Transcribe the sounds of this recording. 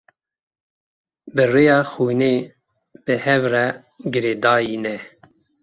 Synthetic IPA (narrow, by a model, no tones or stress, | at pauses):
bɨrejɑːxuːneː | b̥ɨhɛvrɛ | ɡɨɾeːd̪ɑːjiːnɛ